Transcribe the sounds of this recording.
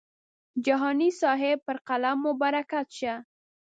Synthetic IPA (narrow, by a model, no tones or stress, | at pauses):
d͡ʒaɦɑnisɑɦepəɾqalamːʊbɑɾakat̪ʃa